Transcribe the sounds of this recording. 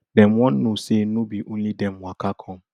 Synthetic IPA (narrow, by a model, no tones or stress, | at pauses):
dɛ̃mwɔ̃nːʊ̃senʊ̃biʔʊɲĩdɛ̃mmʊ̃akʰakʰɔ̃m